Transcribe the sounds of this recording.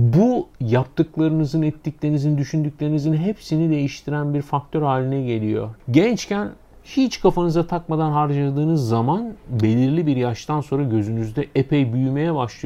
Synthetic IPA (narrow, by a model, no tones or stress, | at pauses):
bujap̚t̪ɯklˠaɾɯnɯzɯnɛt̪ʰːiclʲe̞ɾinizinid̪yʃynd̪ycʲlʲeɾinizinɦepsinid̪e̞jiʃt̪ʰiɾænbiɾfak̚t̪ʰøɾhaːlʲinɛɟe̞lʲijo̰ɟɛnt͡ʃcæn | hit͡ʃkʰafanɯzat̪ʰak̚mad̪anɦaɾd͡ʒalˠad̪ɯːnɯzːamanbe̞lʲiɾlʲibiɾjaʃt̪ʰanso̞nɾaɟø̞zynyzd̪ɛʔepʰejbyjyme̞jɛbaʃlˠɯj